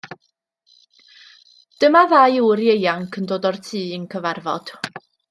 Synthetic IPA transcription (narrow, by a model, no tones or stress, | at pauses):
d̥əmaðajuɾjejaŋkʰəndoːdɔrtʰiːənkʰəvarvɔ̰d̥